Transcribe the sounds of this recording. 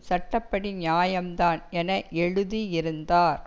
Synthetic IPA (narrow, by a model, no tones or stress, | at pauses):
sɐʈːɐpːɐɽiɲjaːjɐmd̪aːnɛnɐʔɛɻɯðiɪɾɯnd̪aːɾ